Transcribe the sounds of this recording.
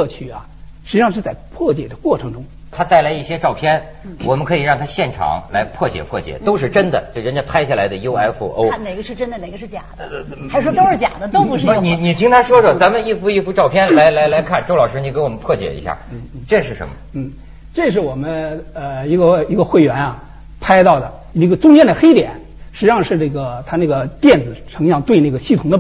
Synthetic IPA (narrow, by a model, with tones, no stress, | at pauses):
t͡ɕʰy˧˩ɐ˧˩ | ʂɻ̩˧˥ʂɑ˥˧ʈ͡ʂə˥˧t͡sa˥˩ɪpʰwɔ˥˩t͡ɕ̪jɛ˨˩d̪ə˦kwɔ˥˩ʈ͡ʂʰɤ˧˥ŋʈ͡ʂʊ˥ŋ | t̪ʰa˥t̪a˥˩ɪla˧˥ɪi˥˩ɕjɛ˥ʈ͡ʂɑ˥˧ʊpʰjɛ˥n | wɔ˨˩mə˦nkʰɤ˧˥i˨˩ɻɑ˥˩ŋt̪ʰa˥ɕjɛ˥˩nʈ͡ʂʰɑ̰˨˧˦ŋla˧˥ɪpʰwɔ˥˩t͡ɕjɛ̰˨˩pʰwɔ˥˩t͡ɕjɛ̰˨˩˦t̪o˥ʊʂ̬ɻ̩˥˩ʈ͡ʂə˥nd̪ə˨t͡ɕjo˥˩ɻə˧˥nt͡ɕjpʰa˥ɪɕja˥˩la˧˥ɪd̪ə˧jo˥ʊa˥ɪfṵ˥˧˩ʔo̰˥ʊ˥ne˨˩ɪɡə˦ʂɻ̩˥˩ʈ͡ʂə˥nd̪ə˨ne˨ɪɡə˦ʂɻ̩˥˩t͡ɕja̰˨˩d̪ | xa˥ʂwɔ˥t̪o˥ʊʂɻ̩˥˩t͡ɕja̰˨˩d̪ə˦t̪o˥ʊpu˧ʂɻ̩˥˧ni˨˩ni˨˩t̪ʰi˥ŋt̪ʰa˥ʂwɔ˥ʂwɔ˥˩t͡sa˧˥nmə˧ni˥˩fu˧˥i˥˧fu˧˥ʈ͡ʂɑ˥˧ʊpʰjɛ˥nla˧˥ɪla˧˥ɪla˧˥ɪkʰa˥˧nʈ͡ʂo˥ʊlɑ˨˩ʊʂɻ̩˥ni˧˩kwɔ˨˩mə˦npʰwɔ˥˩t͡ɕjɛ̰˨˩ḭ˧˥ɕja̰˥˩n̩˥˩˥ʈ͡ʂɤ˥˧ʂɻ̩˥˩ʂə̰˧˥nmə˩˨n̩˥˩ | ʈ͡ʂɤ˥˧ʂɻ̩˥˩wɔ˨˩mə˦nə˧i˧˥ɡə˧i˧˥ɡə˧xwe˥˩ɪɥɛ˧˥nɐ˨ | pʰa˥ɪt̪ɑ˥˩ʊd̪ə˩ | i˥˧˩ɡə˧ʈ͡ʂʊ˥ŋt͡ɕjɛ˥nd̪ə˨˩xe˥ɪt̪jɛ˨˩˦n | ʂɻ̩˧˥ʂɑ˥˧ŋʂɻ̩˥˧nə˥˩ɡə˩t̪ʰa˥na˥˩ɡə˩t̪jɛ˥˩nd͡zɹ̩˨˩ʈ͡ʂʰɤ˧˥ŋjɑ˥˧ŋt̪we˥˧ɪna˥˩ɡə˩ɕi˥˩t̪ʰʊ˨˩ŋd̪ə˧